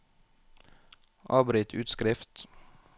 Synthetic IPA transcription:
ʔɑːbɾɪːt̪ʰʉːt̪skɾɪft̪

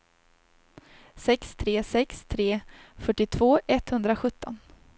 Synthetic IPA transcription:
sɛkst̪ʰɾeːsɛkst̪ʰɾeːfœʈːɪt̪ʰvoːɛt̪hɵnd̪ɾaɧɵt̪ːɔn

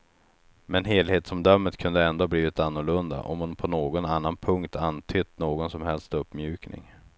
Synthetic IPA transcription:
mɛnɦeːlheːt̪sɔmd̪œmːət̪kʰɵnd̪əɛnd̪oːabliːvɪt̪anːʊɭɵnd̪a̰ʔɔ̰mhʊnpʰɔnoːɡɔnanːanpʰɵŋkt̪ʰant̪ʰʏt̪ːnoːɡɔnsɔmhɛlst̪ɵpːmjʉ̟ːknɪ̰ŋ

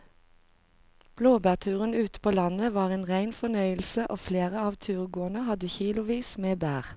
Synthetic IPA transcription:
b̥loːbæːʁt̪ʰʉːʁənʉːt̪ə̥pʰoːlɑnəʋɑːʁeːnʁæɪnfɔnœʏəlsəʔoːfleːʁəɑːʋt̪ʰʉːʁɡoːənəhɑd̪əçiːlʊʋiːsmeːbæːʁ

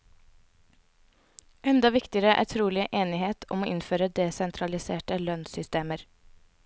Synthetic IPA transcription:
ʔɛnd̪ɑʋɪkt̪ɪəɾəʔæ̰ːɾt̪ʰɾuːlɪʔeːnɪheːt̪ʰɔ̰moːʔɪnføːɾəd̪esɛnt̪ʰɾɑlɪseːʈəlœnsʏst̪eːməɾ

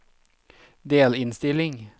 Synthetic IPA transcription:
d̪eːlɪnst̪ɪlɪŋ

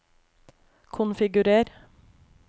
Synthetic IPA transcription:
kʰʊnfɪɡʉɾeːɾ

